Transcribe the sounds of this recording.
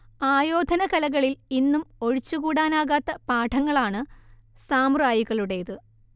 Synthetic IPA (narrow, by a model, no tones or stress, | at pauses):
aːjo̞ːd̪ʱɐnɐkɐlɐɣɐɭilinːumo̞ɻit͡ɕːuɣuːɽaːnaːɣaːt̪ːɐpaːʈʰɐŋːɐɭaːɳɨsaːmraːjiɣɐɭuɽe̞jɐðɨ